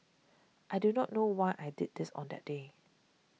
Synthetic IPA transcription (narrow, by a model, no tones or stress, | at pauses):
ʔajdunɔʔnowaɪʔajdid̚dɪsɔ̰̃ndɛ̰t̚de